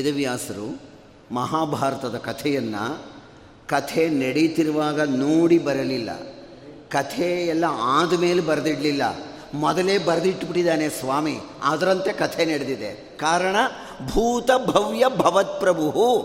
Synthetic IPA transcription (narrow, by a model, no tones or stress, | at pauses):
id̪ɐʋjaːsɐɾṵ | mɐɦaːbʱaːɾɐt̪ɐd̪ɐkɐt̪ʰɛjɐnːɐ̰ | kɐt̪ʰenɐɽit̪iɾuʋaːɡɐnoːɽibɐɾɐlilːɐ̰ | kɐt̪ʰeɛlːɐaːd̪ɐme̞ːlebɐɾɐd̪iɽlilːɐ̰ | mɔd̪ɐleːbɐɾɐd̪iʈːbiʈːid̪aːnesʋaːmi | aːd̪ɐɾɐnt̪e̞kɐt̪ʰenɐɽed̪id̪ḛ | kaːɾɐɳɐ | bʱuːt̪ɐbʱɐʋjɐbʱɐʋɐt̪̚pɾɐbʱuɦu